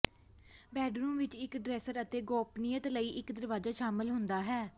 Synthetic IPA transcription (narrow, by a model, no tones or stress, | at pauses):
bɛːɖɾuːmʋɪt͡ʃɪkɖɾɛːsəɾət̪eːɡɔːpnijət̪ləiːʔɪkd̪əɾʋaːzaːʃaːmɪlɦʊnd̪aːɦɛː